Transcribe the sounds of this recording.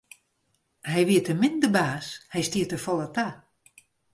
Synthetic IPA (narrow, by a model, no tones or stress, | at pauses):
hɛjʋiətəmɪndəbaːshɛjstiətəfɔlˠəta